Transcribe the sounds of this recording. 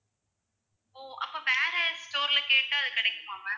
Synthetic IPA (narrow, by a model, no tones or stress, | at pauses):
oːʔɐ̰pːɐʋeːɾɐsʈoːɾlɐkeːʈːɨɐðɯkɐɽɛkːɯmoːmɛ̃